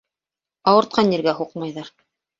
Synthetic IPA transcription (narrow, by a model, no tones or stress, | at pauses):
ɑwɤ̆ɾt̪̚qʰɑnːĭɾɡæɦuqmɑjðɑɾ